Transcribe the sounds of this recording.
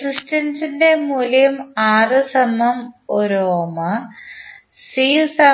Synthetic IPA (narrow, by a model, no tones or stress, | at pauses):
krɨʂʈɐnsindemuːljumaːrɨsɐmɐmoɾoːmɐ | siːsɐ